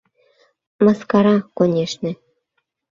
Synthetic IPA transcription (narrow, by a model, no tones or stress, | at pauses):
mɑskɑɾɑkonʲeʃnĕ